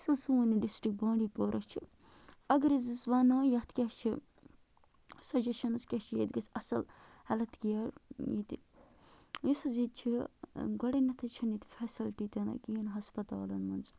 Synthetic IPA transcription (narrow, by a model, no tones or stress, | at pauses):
ɐsɐlsuuniɖisʈɾik̚baːɳɖiːpoːɾʔɐt͡ʃʰi | ɐɡɐɾizisʋɐːnõːjɐt̪ʰkʲɐt͡ʃʰi | sɐd͡ʒɐʃɐnɐskʲɐt͡ʃʰijet̪ɡɐsɐsɐl | hɐlɐt̪kijɐɾjḭt̪i | isɐzit̪t͡ʃʰiɡɐɽenɐt̪ʰɐt͡ʃʰɐnit̪fʰesilʈiːt̪ʲɐnɐ̰kiːnɦɐspɐt̪a̰ːlɐnmɐnz